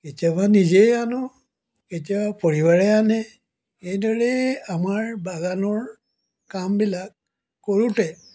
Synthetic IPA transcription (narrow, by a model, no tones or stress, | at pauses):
ketiabanizejanɔ | ketiabapɔɹibaɹɛanɛ | ejdɔɹɛamaɹbaɡanɔɹ | kambilak̚ː | oɹutɛ